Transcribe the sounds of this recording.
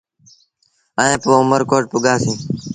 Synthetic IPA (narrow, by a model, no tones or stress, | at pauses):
əːẽːpoːʊməɾkoːʈ̚pʊɠaːsĩː